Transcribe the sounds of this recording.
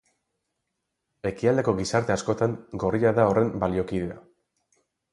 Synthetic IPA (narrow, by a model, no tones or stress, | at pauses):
e̞kiald̪e̞ko̞ɣisaɾt̪e̞asko̞t̪aŋɡo̞riaðao̞re̞mbalio̞kiðea